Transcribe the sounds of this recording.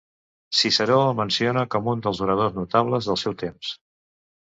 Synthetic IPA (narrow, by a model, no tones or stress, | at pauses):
sisəɾomənsionəkɔmund̪əlˠzuɾəð̞oznut̪aβləzðəlˠsɛwt̪ems